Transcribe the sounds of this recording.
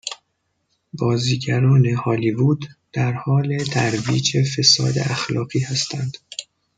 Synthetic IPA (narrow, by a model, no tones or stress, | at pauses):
bɒːziːɟæɾɒːne̞hɒːlivud̪̥ː | æɾhɒːle̞t̪ʰæɾviːd͡ʒe̞fe̞sɒ̰ːd̪e̞̰ʔæxlɒːɢiːhæst̪ʰænd̪̥